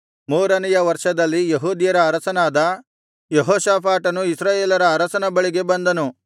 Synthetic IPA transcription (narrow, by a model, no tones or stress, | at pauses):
muːɾɐnɛjɐʋɐɾʂɐd̪ɐlːijeɦuːd̪jɐɾɐːɾɐsɐnaːd̪ɐ | jeɦɔːʃaːpʰaːʈɐnuisɾaːjeːlɐɾɐːɾɐsɐnɐbɐɭiɡe̞bɐnd̪ɐnu